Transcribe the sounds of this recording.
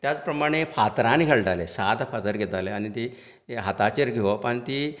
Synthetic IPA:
t̪jat͡spɾəmaɽ̃efat̪ɾãnikʰeɭʈalesat̪fʰat̪əɾɡʱet̪aleañit̪i | ɦat̪at͡ɕeɾɡʱeʋopəɳt̪iː

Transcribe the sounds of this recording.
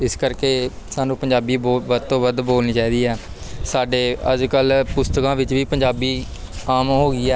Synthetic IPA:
ɪskəɾkeː | saːnũːpəɲd͡ʒaːbiːboːʋəd̪t̪õːʋəd̪boːlniːt͡ʃaːiːd̪iːɛː | saːɖeːəd͡ʒkəlpʊst̪əkãːʋɪt͡ʃʋiːpəɲd͡ʒaːbiː | aːmɦoːɡiːɛː

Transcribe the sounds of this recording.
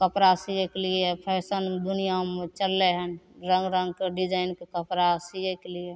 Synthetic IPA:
kəpɾasijekeliepʰɛsənd̪ʊnijamet͡ʃəlːeɦənɾə̃ŋɡɾə̃ŋɡkeɖid͡ʒaːɪnkekəpɾasijekelie

